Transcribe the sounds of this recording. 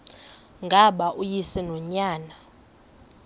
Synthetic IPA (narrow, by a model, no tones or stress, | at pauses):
ŋɡʱaɓaʔujisɛnɔɲaːna